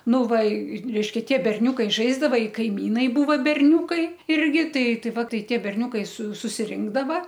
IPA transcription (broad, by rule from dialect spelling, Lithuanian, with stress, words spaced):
ˈnʊ ˈʋɐ ɪ ˈrʲɛɪʃʲkʲɛ ˈtʲiɛ bʲɛrʲˈnʲuːkɐɪ ˈʒɐɪzdɐʋɐ ɪ kɐɪˈmʲiːnɐɪ ˈbuːʋɐ bʲɛrʲˈnʲuːkɐɪ ˈɪrʲɡʲɪ ˈtɐɪ ˈtɐɪ ˈʋɐ ˈtɐɪ ˈtʲiɛ bʲɛrʲˈnʲuːkɐɪ sʊ sʊsʲɪˈrʲɪŋɡdɐʋɐ